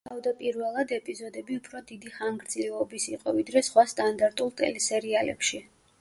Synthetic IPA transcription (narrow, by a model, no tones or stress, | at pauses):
t̪ʰavd̪apʼiɾvɛlˠad̪ɛpʼizɔd̪ɛbiupʰɾɔd̪id̪iχaŋɡɾd̪zlɛɔbisiqʼɔvid̪ɾɛsχwast̪ʼand̪aɾt̪ʼulˠt̪ʼɛ̰lɛsɛɾialɛ̰pʃi